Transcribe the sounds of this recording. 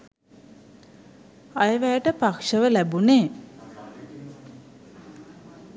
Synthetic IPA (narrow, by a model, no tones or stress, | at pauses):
ajəʋæːʈəpakʂəʋəlæbuneː